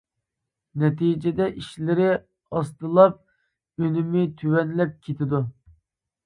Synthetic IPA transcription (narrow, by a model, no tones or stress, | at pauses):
nɛt̪ʰid͡ʒɛd̪ɛʔiʃlɪɾɪ | ɑst̪ɨlˠɑp̚ | ønymɪt̪ʰywɛnlɛp̚kʲʰet̪ʰɪd̪u